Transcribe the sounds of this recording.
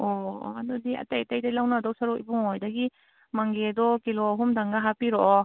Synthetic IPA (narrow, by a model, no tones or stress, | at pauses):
ɔ̰madɔdiɐ̰tajatajdajlawnadɔwsɐɾukḭbuŋojdɐɡi | maŋɡedɔkiloɦumdaŋɡaɦapiɾɔʔɔ